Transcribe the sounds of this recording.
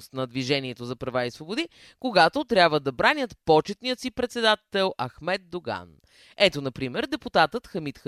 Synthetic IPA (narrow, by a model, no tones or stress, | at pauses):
st̪nɐd̪viʒɛniɛt̪ozɐpɾɐvaisvobod̪i | koɡat̪ot̪ɾʲabvəd̪ɐbɾanʲət̪pɔt͡ʃɛt̪nijət̪sipɾɛt̪sɛd̪at̪ɛlˠɐxmɛt̪̚d̪oɡa̰n | ɛt̪onɐpɾimɛɾd̪ɛput̪at̪ət̪xəmit̪x